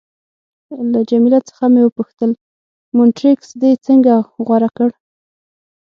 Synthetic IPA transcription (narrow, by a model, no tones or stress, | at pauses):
lad͡ʒamilat͡sə̥xamewəpuxt̪əl | mʊnʈɾiksd̪ejt͡səŋɡaɣwaɾakəɽ